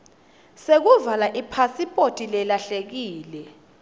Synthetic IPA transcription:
sek̬uvalaʔipʰasipʼotʼilɛlaɬek̬iːlɛ

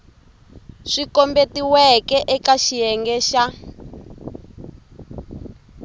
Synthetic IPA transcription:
ʂikɔmbetiwɛkɛʔɛkaʃijɛŋɡɛʃa

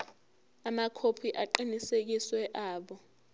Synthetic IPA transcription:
amakʰopʰiʔaǃinisek̬iswɛʔaːɓɔ

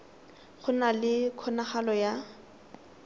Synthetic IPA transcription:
χʊnalɪkʰɔnaχalɔja

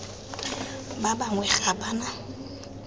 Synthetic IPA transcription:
babaŋwɛχabana

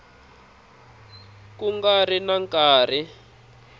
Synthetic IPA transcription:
kuŋɡarinaŋkaːri

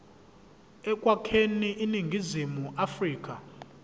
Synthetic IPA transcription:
ɛkʼwakʰeniʔiniŋɡʱizimuʔafriːk̬ʼa

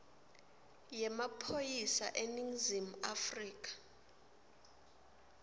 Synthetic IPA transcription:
jɛmapʰojisa̰ʔeniŋzim̩afriːk̬ʼḁ

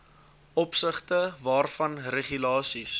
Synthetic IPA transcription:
ʔɔpsəχtəvɑːrfɐnreχylɑːsis

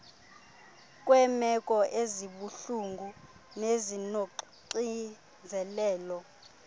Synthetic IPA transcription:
kʼwɛmɛkʼɔʔeziɓuɬuŋɡʱu | nezino | ǀi | nd͡zʱɛlɛːlɔ

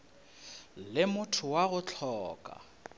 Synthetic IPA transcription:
lɪmʊtʰʊwaɣʊt͡ɬʰɔːkʼa̰

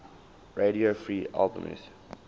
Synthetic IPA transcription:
ɹeɾiofɹiːʔa̰lbə̰̃mɪ̰z̥

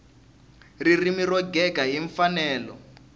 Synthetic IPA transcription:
ririmirɔɡɛkaɦiɱfanɛːlɔ̰

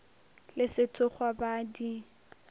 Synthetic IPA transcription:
lɪsɪtʰʊχwabadi

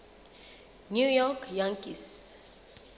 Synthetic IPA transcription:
njujɔkjãŋkis

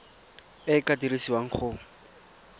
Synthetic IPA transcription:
ɪkadirisiwaŋ̩χʊ

